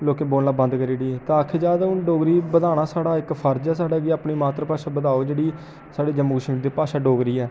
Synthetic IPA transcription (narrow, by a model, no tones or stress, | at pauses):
loːkeːboːllaːbə̃nd̪kəɾiːɖiːt̪ãakʰːeːd͡ʒaːd̪aʊnɖoːɡɾiːbəd̪aːɽaːsaːɽaːɪkpʰəɾd͡ʒɛːs̬aːɖaːɡeːəpɳiːmaːt̪ɾəpaːʃaːbəd̪aːoːd͡ʒeːɽiː | saːɽeːd͡ʒəmːəɡʃmd̪eːpaːʃaːɖoːɡɾiːɛː